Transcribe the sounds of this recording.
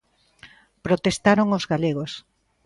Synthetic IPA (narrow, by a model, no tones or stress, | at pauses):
pɾot̪est̪aɾoŋozɣaleɣos